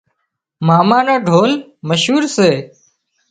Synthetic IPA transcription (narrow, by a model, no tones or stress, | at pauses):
maːmaːnãːɖʱoːlməʃɦuːɾseː